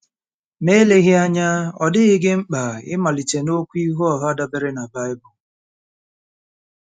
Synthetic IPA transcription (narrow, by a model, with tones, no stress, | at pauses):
me˦le˦ɣi˦a˦ɲa˦ɔ̰˨dɪ˦ɪ˦ɡɪ˦ŋ͡m̩˦k͡pa˨ɪ̰˦ma˨li˨t͡ʃe˨no˦kʷu˦i˦ɦu˦ɔ˨ɦa˦da˦bɪ˦ɾɪ˦na˨ba˦ɪ˦bʊ˨